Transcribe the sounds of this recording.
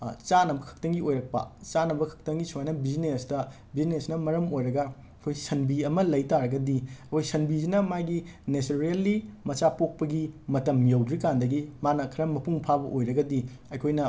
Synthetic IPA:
t͡ʃanɐbɐkʰɐ̥k̚tɐŋɡiojɾɐk̚pɐ̰t͡ʃanɐbɐkʰɐ̥k̚tɐŋɡisuajnɐbiznesdɐ | biznesnɐmɐɾɐmojɾɐɡɐ | ɐkʰojsɐnbiɐmɐlɐjtaɾɐɡɐdiɐkʰojsɐnbizinɐmajɡinesoɾielːimɐt͡ʃapok̚pɐɡimɐtɐmjowdɾikandɐɡimanɐkʰɐɾɐmɐpuŋpʰabɐʔojɾɐɡɐdi | ɐjkʰojnɐ

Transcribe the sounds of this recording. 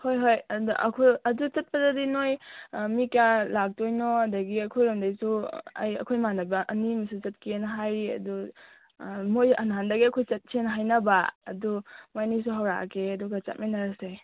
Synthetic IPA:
hojɦojduʔɐ̰kʰojɐdut͡ʃɐt̚padadinojmikalak̚tojnɔɐdaɡiɐkʰojɾamdajsua̰jɐ̰kʰojmanabaʔɐnimisut͡ʃɐt̚kenɦajɐ̰du | mojɐ̰nɦandaɡiɐkʰojt͡ʃɐt̚sʰenɦajnɐbaɐ̰dumajnis̬uɦawɾa̰kʰeɐduɡat͡ʃa̰t̚majnaɾasaj

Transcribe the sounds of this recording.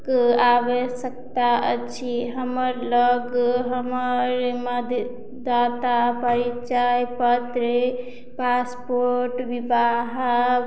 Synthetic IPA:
kabesək̚t̪aət͡ʃʰiɦəməɾləɡɦəməɾməd̪ʱ | d̪at̪apəɾit͡ʃajpət̪ɾe | paspoɾʈʋibaɦa

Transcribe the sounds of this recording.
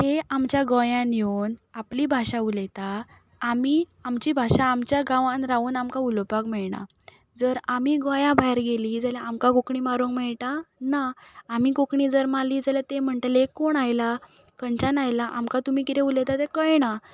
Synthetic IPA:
t̪eamt͡ɕjaɡɔjãnjonapliːbʱaɕãulɛt̪aː | mi | amt͡ɕibʱaɕãːmt͡ɕjaɡãʋãnɾaʋuːnamkaulpakmɛɭɳa̰ | d͡zəɾamiɡɔjãbʱajɾɡelid͡zaljaamkakokɳimaɾũŋkmɛɭʈ̪anaːmikokɳiːd͡zəɾmaliːd͡zaljat̪em̤əɳʈ̪əlekːoɳajla | kənt͡ɕanajlaʔa̰mkat̪um̤iːkit̪ẽulet̪at̪ekəjna

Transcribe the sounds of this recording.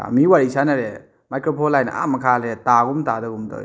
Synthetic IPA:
a̰miwaɾisanaɾe | majkɾopʰɔlːajna̰ʔa̰mɐkʰalɾetaɡumtadɔɡumdɔ̰

